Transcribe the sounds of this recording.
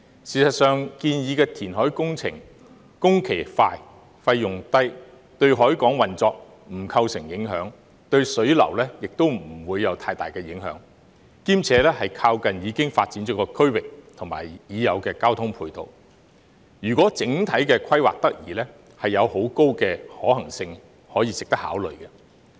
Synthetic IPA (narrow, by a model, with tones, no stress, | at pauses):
siː˨˩sɐ˨t̚sœː˨ŋkiː˧njiː˨˧kɛː˧t̪ʰiː˨˩nɦɔː˨˥jkʊ˥ŋt͡sʰɪ̰˨˩ŋ | kʊ˥ŋkʰe˨˩faː˧j | fɐ˧jːʊ˨ŋt̪ɐ˥j | t̪ɵ˧ɥɦɔː˨˥jkɔː˨˥ŋwɐ˨nt͡sɔː˧k̚ | m̩˨˩kʰɐ˧wsɪ˨˩ŋjɪ˨˥ŋɦœː˨˥ŋ | t̪ɵ˧ɥsɵ˨˥ɥlɐ̰˨˩wlɛː˥jɪ˨k̚t̪o˥wm̩˨˩wuː˨˧jːɐ˨˧wt̪ʰaː˧jt̪a̰ː˨˩jkɛː˧jɪ˨˥ŋɦœ̰ː˨˥ŋ | kiː˥mt͡sʰɛː˨˧lɛː˥hɐ˨jkʰaː˧wkɐ˨njiː˨˧kɪ˥ŋfaː˧t̚t͡siː˨˥nt͡ʃɔː˨˥kɔː˧kʰɵ˥ɥwɪ˨k̚t̪ʰʊ˨˩ŋma̰ː˨˩jjiː˨˧jɐ˨˧wkɛː˧kaː˥wt̪ʰʊ˥ŋpʰuː˧jt̪o̰˨w | jyː˨˩kʷwɔː˨˥t͡sɪ˨˥ŋt̪ʰɐ˨˥jkɛː˧kʰɐ˥jwa̰ː˨k̚t̪ɐ˥k̚jḭː˨˩lɛː˥ | hɐ˨jːɐ˨˧who˨˥wko˥wkɛː˧hɔː˨˥hɐ˨˩ŋsɪ˧ŋ | hɔː˨˥jiː˧sɪ˨k̚t̪ɐ˥k̚haː˨˥wlɵ̰˨ɥkɛ˧